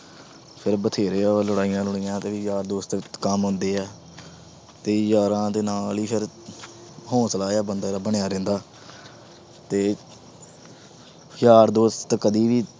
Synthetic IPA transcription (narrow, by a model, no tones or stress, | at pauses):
pʰɪɾbət̪ʰeːɾeːləɽaːijãːlʊɳɪjãːt̪eːʋijaːɾd̪oːst̪ːkəmɦʊ̃nd̪eːɛː | t̪eːjaːɾãːt̪eːnaːliːpʰɪɾ | ɦõːsəlaːjaːbənd̪aːɾaːbəɳjaːɾɛ̃ːnd̪aː | t̪eː | jaːɾd̪oːst̪t̪ːkəd̪iːʋiː